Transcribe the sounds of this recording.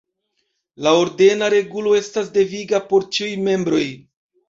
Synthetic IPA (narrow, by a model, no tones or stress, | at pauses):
laoɾde̞naɾe̞ɡulo̞e̞stas̬de̞viɡapo̞ɾt͡ʃiujme̞mbɾo̞j